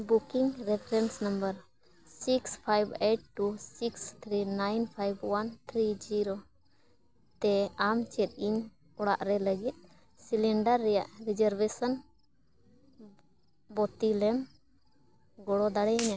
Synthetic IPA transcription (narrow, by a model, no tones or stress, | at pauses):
bukiŋɾɛpʰɾɛnsnəmbəɾ | sikspʰajbeʈ̚ʈːusikst̪ʰɾinajnpʰajbwant̪ʰɾid͡ʒiɾo | t̪ɛamt͡ʃɛt̪̚ˀiɲ | ɔɽa̰ʔɾɛləɡit̪̚ | silɛɳɖəɾːɛja̰ʔɾid͡ʒəɾbesən | bɔt̪ilɛm | ɡɔɽɔd̪aɽɛna